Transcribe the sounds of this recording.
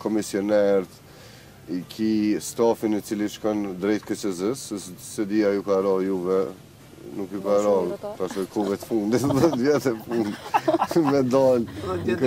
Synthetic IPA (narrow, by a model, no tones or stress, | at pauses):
kɔmisiɔnɛɾt̪ | ikʰist̪afinit͡siliʃkand̪ɾɛjt̪kət͡ʃəzəsssɛd̪iajukaɾɔjuvɛ | nukjukaɾɔasɔjkʰuvɛt̪fund̪it̪ðɛt̪vjɛt̪ɛfund̪mɛd̪alnk